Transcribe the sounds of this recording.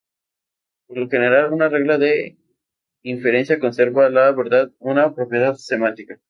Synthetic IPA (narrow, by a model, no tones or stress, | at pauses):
poɾloxe̞ne̞ɾalunare̞ɣlaðe | iɱfeɾe̞nsjako̞nse̞ɾβalaβeɾðaðunapɾo̞pjeðaðsemãnt̪ika